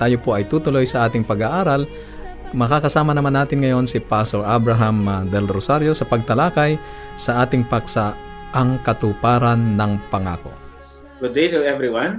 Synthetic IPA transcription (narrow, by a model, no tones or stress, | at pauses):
t̪aːjopoʔɐjt̪uːt̪ʊlo̞jsɐʔaːt̪ɪŋpɐɡaʔaːɾal | mɐkakɐsaːmɐnɐmanaːt̪ɪnŋɐjo̞nsɪpasoɾʔabɾɐɦɐmɐd̪ɛlɾosaɾjo̞sɐpɐɡ̚t̪ɐlaːkɐjsɐʔaːt̪ɪŋpaksaʔɐŋkɐt̪upaːɾɐnːɐŋpɐŋa̰ːko̞̰ | ɡ̥ʊd̪̚ːejt̪ʊɛvɾiwãn